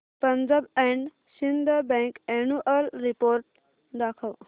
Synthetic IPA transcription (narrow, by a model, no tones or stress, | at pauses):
pənd͡zabɛɳɖ | ɕind̪ʱəbɛ̃kɛnuʔəlɾipoɾʈ̚ | d̪akʰəʋ